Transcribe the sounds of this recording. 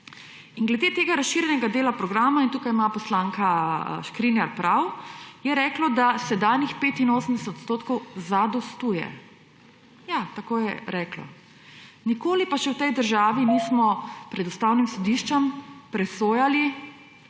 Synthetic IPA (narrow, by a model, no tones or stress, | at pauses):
inɡlɛd̪eːt̪eːɡaɾasʃiːɾjɛnɛɡad̪eːlapɾɔɡɾaːmaint̪uːkajmapɔslaːŋkaʃkɾinaɾpɾawjɛɾɛːklɔd̪asɛd̪anixpeːt̪inoːsəmd̪ɛsɛt̪t̪st̪oːt̪kɔwzad̪ɔst̪uːjɛ̰ | jat̪akoːjɛɾɛːklɔ̰ | nikoːlipaʃɛwt̪ɛjd̪əɾʒaːʋinismɔpɾɛd̪ɔst̪aːwnimsɔd̪iʃt͡ʃɛmpɾɛsoːjali